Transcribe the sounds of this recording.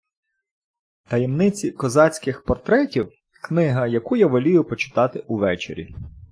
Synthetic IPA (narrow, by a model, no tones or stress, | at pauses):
t̪ɐjemnɪt͡sʲikɔzɑt͡sʲkɪxpɔrt̪ɾɛtʲiw | knɪɦɐjɐkujaʋɔlʲijʊpɔt͡ʃɪ̥t̪ɑt̪ɪʔuʋɛt͡ʃḛɾʲḭ